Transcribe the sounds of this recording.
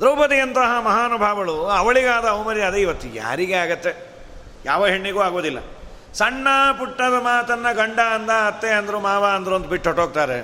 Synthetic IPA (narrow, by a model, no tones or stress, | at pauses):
d̪ɾɐwpɐt̪ijɐnt̪ɐɦɐmɐɦaːnubʱaːʋɐɭuɐʋɐɭiɡaːd̪ɐɐwmɐɾiɐd̪eiʋɐt̪ːuja̰ːɾiɡeaːɡɐt̪ːe̞ | ja̰ːʋɐɦeɳːiɡuːaːɡoːd̪ilːɐ̰ | sɐɳːɐpuʈːɐd̪ɐmaːt̪ɐnːɐɡɐɳɖaɐnd̪aɐt̪ːeɐnd̪ɐɾumaːʋaɐnd̪ɐɾuɐnd̪ubiʈːɦoʈːoːɡ̚t̪aːɾe